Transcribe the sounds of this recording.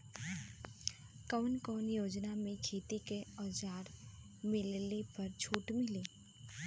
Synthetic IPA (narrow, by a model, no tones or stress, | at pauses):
kəʋnkɔːnjoːd͡ʒnamẽkʰeːt̪ikeɔːd͡ʒaːɾ | mɪllepɐɾt͡ʃʰuːʈmɪliː